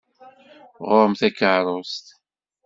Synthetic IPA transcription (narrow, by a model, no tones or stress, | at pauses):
ʁoɾˤmθækːəʕɾˤost̪